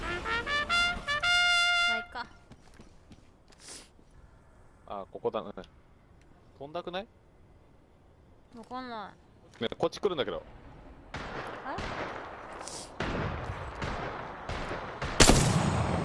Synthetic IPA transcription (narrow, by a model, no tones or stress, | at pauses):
aika | aːkokod̪ane | t̪õ̞nd̪akɯ̟nai | nokõnːai | neko̞t͡ɕːi̥kɯɾɯ̟nd̪aked̪o̰ | ha